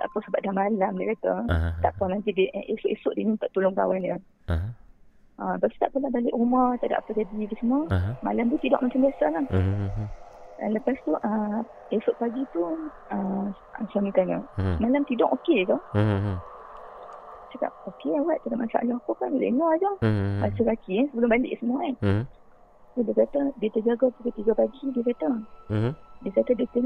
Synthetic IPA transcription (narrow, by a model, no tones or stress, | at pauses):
t̪a̰ʔpəsəbaʔ̚damalamdəkat̪at̪a̰ʔpanãnt̪̬idiʔʔesʊʔesʊʔdinĩt̪aʔt̪ulʊŋka̰wana | ʔəbast̪aʔpəlahbalɪʔumat̪aʔda̰ʔpəd͡ʒadikəsəməma̰lamt̪ut̪idɔ̰ʔmat͡ʃambiasalah | da̰nləpast̪uʔə | esʊʔ̚paɡit̪u | ə | asamik̪ala̰malamt̪idɔʔokeka | t͡ʃaka̰p̚okeawaʔ̪̚t͡ʃakamansa̰ʔlɔhapokanlɛ̰ʔnɔad͡ʒɔba̰səɾakiansəbəlʊmbalɪ̰ʔsəmuaan | sudəkat̪ədiət̪əd͡ʒaɡapəkət̪iɡapaɡidiəkat̪ə | diəkat̪ədət̪ə